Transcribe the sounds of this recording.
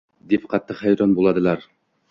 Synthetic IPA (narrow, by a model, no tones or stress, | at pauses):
d̪ip̚qʰɑt̪ːɑqhæjɾɑnbulˠɑd̪ɤ̆lˠɑɾ